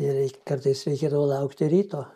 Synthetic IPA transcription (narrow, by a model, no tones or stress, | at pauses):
ɪɾʲɛɪkɐrt̪ɐɪsɾʲɛɪkʲeːd̪ɐʋoːlˠɐʊkt̪ʲɪɾʲiːt̪oː